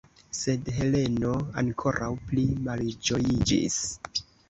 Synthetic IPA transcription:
se̞dɦe̞le̞no̞ankʰo̞ɾʔawplimald͡ʒo̞jid͡ʒḭs

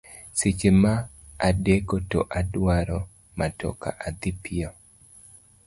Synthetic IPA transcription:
sit͡ʃemaː | dekoto̰ʔadwaɾɔ | matɔ̰ka̰ʔad̪ɪpio

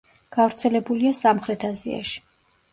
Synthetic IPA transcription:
ɡ̥avɾt̪sʰɛlɛbuliasamχɾɛt̪ʰazia̰ʃi̥

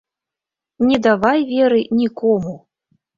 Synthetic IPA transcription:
nʲɛd̪avajvʲɛɾɨnʲikɔmu

